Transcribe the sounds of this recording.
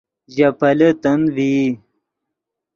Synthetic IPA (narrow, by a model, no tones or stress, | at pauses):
ʑɐpɐlet̪ɐnvi